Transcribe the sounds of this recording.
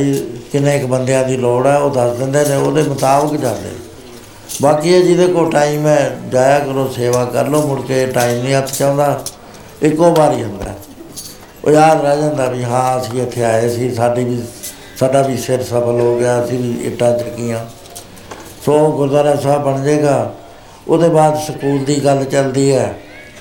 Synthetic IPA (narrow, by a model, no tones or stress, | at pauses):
ikɪnẽːɪkbənd̪ejãːd̪iːloːɽɛːoːd̪əsd̪ɪnd̪eːnẽːoːd̪eːmət̪aːbəkd͡ʒãːnd̪ḛː | baːkiːɛːd͡ʒɪd̪eːkoːʈaːiːmɛ̃ːd͡ʒaːjaːkəɾoːseːʋaːkə̰ɾloːmʊɽkeːʈaːiːmnĩːɦət̪ʰːt͡ʃãːnd̪aː | ɪkːoːbaːɾiːɦənd̪a̰ː | o̰ːjaːd̪ɾəd͡ʒãːnd̪aːbiːɦãːəsĩːɪt̪ʰːeːaːeːsĩːsaːɖiːiː | saːɖaːbiːsɪɾsəpʰəlɦoːɡeaːəsĩːiːɪ̰ʈːãːt͡ʃəkːɪjãː | soːɡʊzaːɾaːsaːbəɳd͡ʒeːɡaː | ʊd̪eːbaːd̪səkuːld̪iːɡəlt͡ʃəld̪iːɛː